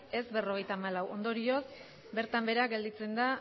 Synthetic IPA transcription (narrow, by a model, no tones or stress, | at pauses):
e̞zbe̞ro̞ɣ̞e̞jt̪aːmalawʔo̞nd̪o̞ɾio̞s | be̞ɾt̪ambe̞ɾaɡe̞ld̪it͡se̞nd̪a